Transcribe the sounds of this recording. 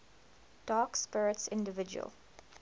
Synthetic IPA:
d̥ɑːkspɪɹɪtsɪ̃ndəvɪd͡ʒṵə̰lˠ

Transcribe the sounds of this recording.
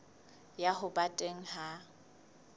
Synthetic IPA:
jaɦʊbatʼeŋ̩ha

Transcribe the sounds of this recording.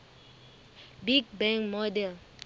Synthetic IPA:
biɡ̚bɛ̃ŋkmɔdɛl

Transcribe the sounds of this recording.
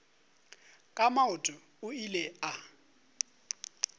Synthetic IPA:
kʼamaʊtʼʊ | ʊilɛa

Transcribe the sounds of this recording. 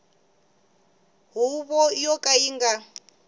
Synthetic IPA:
ɦuβɔjɔkʼaiŋɡa

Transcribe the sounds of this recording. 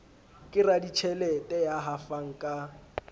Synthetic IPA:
kʼɪradit͡ʃʰɛlɛtʼɛjaɦafaŋ̩kʼa

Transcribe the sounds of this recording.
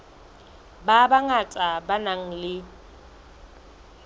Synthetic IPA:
babaŋat͡sʼabanaŋ̩lɪ

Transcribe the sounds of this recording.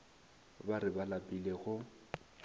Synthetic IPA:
baɾɪbalapʼileɣʊ

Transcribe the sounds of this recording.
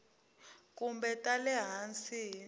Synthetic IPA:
k̬ʼumbɛtʼalɛɦant͡si

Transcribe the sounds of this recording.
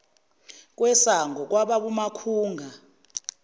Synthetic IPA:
k̬ʼwɛsaŋɡʱɔk̬waɓaɓumakʰuːŋɡʱa

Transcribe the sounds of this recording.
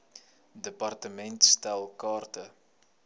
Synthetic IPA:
dəpɐrtəmɛntstælˠkɑːrtə

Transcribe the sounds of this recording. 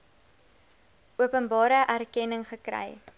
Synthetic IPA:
ʔuəpənbɑːɾəʔærkɛnəŋχəkɾɛ̰j

